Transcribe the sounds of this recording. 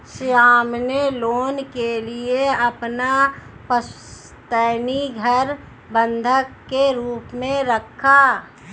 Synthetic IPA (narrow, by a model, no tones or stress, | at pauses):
ʃjaːmneloːnkelieɐpnapəs | t̪əːniɡʱəɾ | bə̃nd̪ʱəkːeɾuːpmẽɾəkʰːa